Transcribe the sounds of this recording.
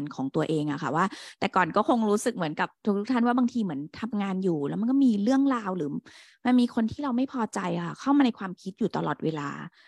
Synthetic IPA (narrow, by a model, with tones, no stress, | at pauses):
nkʰɔː˩˦ŋt̪u˧ɐʔeː˧ŋʔa˨˩kʰa˧˥˩waː˥˩t̪ɛː˨˩kɔː˨˩nkɔː˥˩kʰo˧ŋɾuː˦˥sɯ˨˩k̚mɯ˨˩˦ənka˨˩p̚t̪ʰu˦˥k̪̚u˦˥k̚t̪ʰa˥˩nwaː˥˩baː˧ŋt̪ʰiː˧mɯ˩˦ənt̪ʰa˧mŋaː˧njuː˨˩lɛ˦˥ma˧nkɔː˥˩miː˧ɾɯ˥˩əŋɾaː˧wɾɯː˩˦ | ma˧nmiː˧kʰo˧nt̪ʰiː˥˩ɾa˧wma˥˩jpʰɔː˧t͡ɕa˧jʔa˨˩xʰa˧˩kʰa˥˩wmaː˧na˧jkʰwaː˧mkʰi˦˥t̪̚juː˨˩t̪a˧lɔ̰ː˨˩t̪̚weː˧la̰ː˧